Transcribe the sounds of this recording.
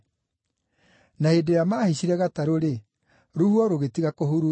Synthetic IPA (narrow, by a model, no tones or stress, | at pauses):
naedejamaːhiɕiɾɛɣataɾoɾe | ɾuhwɔɾoɣetiɣakoɦuɾu